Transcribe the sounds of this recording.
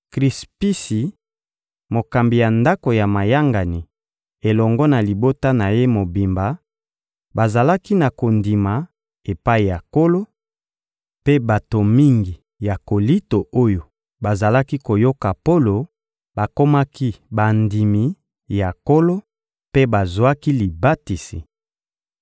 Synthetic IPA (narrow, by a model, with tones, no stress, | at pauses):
kʁi˨spi˦si˨ | mo˨ka˨mbi˨ja˨nda˦ko˨ja˨ma˨ja˦ŋɡa˨ni˨ | e˨lɔ˨ŋɡɔ˦na˨li˨bo˦ta˦na˨je˦mo˨bi˨mba˨ | ba˨za˨la˦ki˦na˨ko˨ndi˨ma˨ | e˨pa˦i˨ja˨ko˦lo˦ | pe˦ba˨to˨mi˦ŋɡi˨ | ja˨ko˨li˦to˨o˦jo˨ | ba˨za˨la˦ki˦ko˨jo˦ka˨po˦lo˨ | ba˨ko˦ma˦ki˦ba˨ndi˨mi˨ | ja˨ko˦lo˦ | pe˦ba˨zwa˦ki˦li˨ba˦ti˨si˨